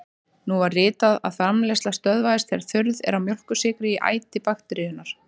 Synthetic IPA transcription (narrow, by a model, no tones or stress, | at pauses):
nuvarːɪːt̪aða̰ðθɾamlest̪last̪œðvaɪst̪θɛɾ̥θʏɾðɛ̰ɾamjœl̥kʏsɪːkɾɪiʔa̰ːjt̪ɪpaxt̪ɾɪðʏnaɾ̥